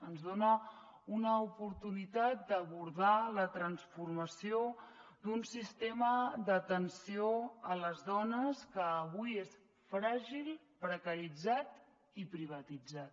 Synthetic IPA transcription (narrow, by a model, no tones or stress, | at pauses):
ənzðonə | unəupuɾt̪unit̪at̪̚d̪əβuɾðalət̪ɾənsfurməsio | d̪unsist̪eməd̪ət̪ənsioələzðɔnəskəːβujes | fɾaʒilˠ | pɾəkəɾid͡zat̪ | ipɾiβ̞ət̪id͡zat̪